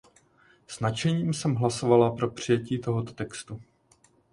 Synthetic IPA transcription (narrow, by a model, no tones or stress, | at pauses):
snat͡ʃɛɲiːmsɛmɦlaso̞valapɾo̞pr̝̥ɪjɛciːt̪o̞ɦot̪o̞̥t̪ɛkst̪u